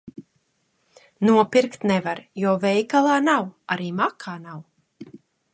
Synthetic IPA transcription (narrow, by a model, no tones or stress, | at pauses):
nuɔpiɾkt̪nɛvaɾjɔːvɛjkalˠaːnawaɾiːmakʰaːnaw